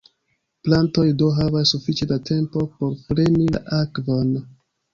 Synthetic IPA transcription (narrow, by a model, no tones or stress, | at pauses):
planto̞jdoɦavasːufit͡ʃedatʰe̞mpo̞po̞ɾfɾe̞nila̰ʔakvo̞n